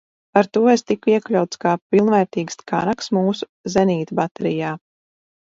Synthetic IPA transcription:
aɾt̪uɔest̪ikuiɛklʲawt̪skaːpilˠnvɛːɾt̪iːɡskʰa̰naksmuːsu̥ | zɛniːt̪bat̪ɛɾijaː

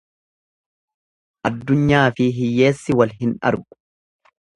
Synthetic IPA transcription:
ʔɐd̪ːʊɲːaːfɪɦɪjːe̞ːsːɪwɐlɦɪnɐ̰ɾɡʊ̥

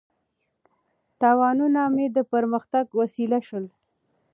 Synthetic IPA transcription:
t̪ɑwɑnunamed̪əpəɾməxt̪aɡwasilaʃəl

